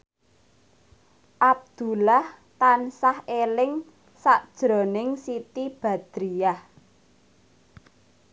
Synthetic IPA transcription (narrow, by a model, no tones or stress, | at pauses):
ʔab̚d̪̥ṳlah | t̪ansahelɪŋ | saʔd̥ʒ̥ɾɔ̤nɪŋsit̪ib̥ä̤d̪̥ɾiah